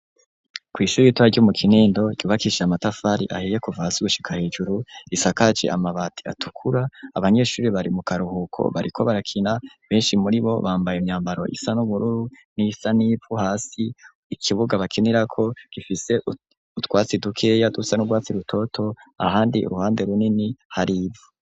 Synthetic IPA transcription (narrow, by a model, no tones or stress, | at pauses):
kwiːʃuːɾiitwuaɾɟomukʰiniːndo̞ɟ̥uːβakiʃeamatafaɾḭʔa̰hejekuvaasiɡuʃi̥kʰahe̞ːd͡ʒuɾuisakad͡ʒḛʔamaβatʰi̥a̰tʰu̥kʰuɾaːβaɲe̞ʃuːɾiβaɾimukaɾuhukʰo̰βaɾikʰo̞βaɾakʰinaβe̞ːnʃimuɾiβo̞̰βaːmbajemɲaːmbaɾo̞̰ʔḭsanuβuɾuɾu | nisanipuhaːsi | ikʰiβuɡaβakʰeniɾakʰo̞ɡ̥ifise̞ʔu | utɡwaːt͡sidukʰe̞ːjadusanuɡwaːt͡siɾutʰo̞tʰo̞a̰haːndiṵɾuhaːnde̞ɾuninihaɾibu